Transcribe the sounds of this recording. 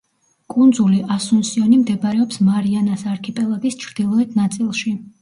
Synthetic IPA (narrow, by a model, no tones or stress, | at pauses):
kʼund̪zuliʔasunsiɔnimd̪ɛbaɾɛɔpsmaɾianasaɾkʰɛpʼɛlˠaɡist͡ʃʰɾd̪̥ilˠɔlɛd̪nat̪sʼilˠʃi